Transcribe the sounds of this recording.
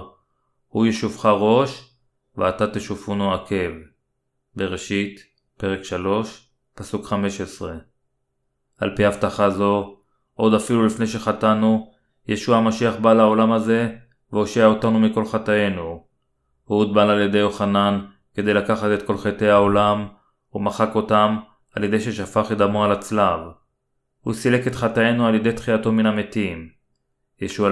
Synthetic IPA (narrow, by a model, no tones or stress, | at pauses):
hujeʃuvχaʁo̞ʃ | veat̪at̪eʃufunuakʰe̞v | be̞ʁeʃit | pe̞ʁe̞kʃalo̞ʃ | pasukχame̞ʃesʁe̞ | ʔa̰lpihavt̪aχazo̞ | ʔo̞d̪afilulifne̞jʃ̬e̞χatanu | jeʃuamaʃiaχbaːlao̞lamaze̞ | veo̞ʃiao̞tanumiko̞lχataje̞nu | hud̪balalje̞de̞jo̞χanan | ke̞d̪e̞jlakaχate̞t̪ko̞lχete̞jaolam | umaχako̞tam | alje̞d̪e̞jʃe̞ʃafaχed̪amoalat͡slav | husile̞ke̞t̪χataje̞nualje̞de̞jtχiato̞minametim | jeʃua